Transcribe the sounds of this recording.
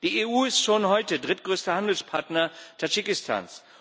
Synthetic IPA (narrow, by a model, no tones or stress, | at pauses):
d̥iːeːʔuːɪstʃoːnhɔʏtədʁɪtɡ̥ʁøːstɐhandl̩spʰaɐtnɐtʰad͡ʒikɪstʰa̰ːns